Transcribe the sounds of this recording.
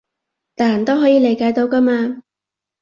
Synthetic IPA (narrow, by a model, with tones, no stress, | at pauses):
t̪aː˨˩jɐ˨˩nt̪o˥wɦɔː˨˥jiː˨˧le˨˧jkaː˧˥jt̪o˧wka˥maː˧